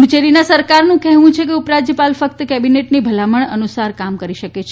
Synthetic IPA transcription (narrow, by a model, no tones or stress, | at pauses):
mt͡ʃeɾinasəɾkaɾnũkɛɦʋũt͡ʃʰekeupɾad͡ʒjəpalfəkt̪əkɛbineʈnibʱəlaməɳənusaɾkamkəɾiʃəkket͡ʃʰ